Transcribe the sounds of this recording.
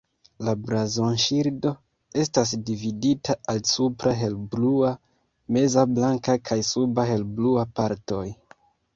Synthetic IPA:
labɾazonʃiɾdo̞ | e̞stas̬dividitʰaʔalsupɾaɦe̞lblua | me̞zablaŋkakʰajsubaɦe̞lbluapaɾto̞j

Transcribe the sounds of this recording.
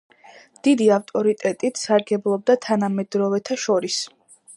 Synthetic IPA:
d̪̥id̪iaft̪ʼɔɾit̪ʼɛt̪ʼit̪ʰsaɾɡɛblˠɔb̚d̪at̪ʰanamɛd̪ɾɔvɛt̪ʰaʃɔɾis

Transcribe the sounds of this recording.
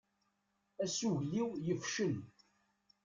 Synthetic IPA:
æsuʝliwjəfʃən

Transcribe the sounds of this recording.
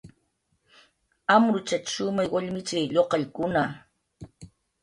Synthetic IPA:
amɾʊt͡ʃat͡ʃʃʊmajwaʎmɪt͡ʃajʎoqɑʎkʊna

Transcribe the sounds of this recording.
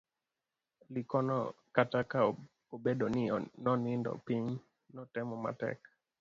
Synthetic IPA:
likɔnɔ̰kataka | obedonɪnɔnɪndɔ̰piɲ | nɔtɛmɔma̰tɛ̰k

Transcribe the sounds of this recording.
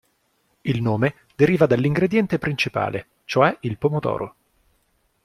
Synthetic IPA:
ilnoːme | d̪eɾiːvad̪alːiŋɡɾed̪jɛnt̪epɾint͡ʃipa̰ːle | t͡ʃoɛilpomot̪ɔ̰ːɾʔo

